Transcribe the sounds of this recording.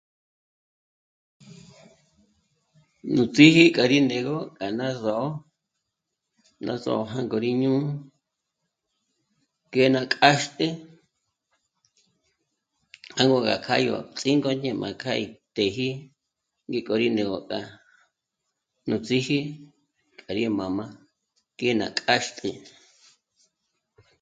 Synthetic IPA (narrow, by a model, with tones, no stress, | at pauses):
nũ˨t͡si˦hi˦kʼa˨ɾi˦nẽ˨ɣo˦kʼa˨nã˦zo˨ʔo˦ | nã˧zo̰˨o˧ɦã˦ŋɡo˨ɾi˦ɲũ˦ | ke˧˦nã˧kʼa˦ʃt̪ʼe˦ | ha˦ŋɡo˧˨ɡa̰˨kʰa˦jo̰˨˧t͡sʼi˦ŋɡo˦ɲẽ˧mʔã̰˨kʰa˦i˧t̪e˨ɦi˦ | ŋɡi˧kʼo˧ɾi˧nẽ˨ɣo˨kʼa˨ | nũ˧t͡si˦hi˦ | kʼa˨ɾi˦˧mã˨mã˧ | ke˦nã̰˨kʼa˦ʃt̪ʼe˧˨